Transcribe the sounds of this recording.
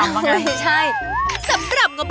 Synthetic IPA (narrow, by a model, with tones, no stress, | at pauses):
jt͡ɕʰa˥˩jsa˨˦mɾa˨˩p̚ŋɔ˨˩˦b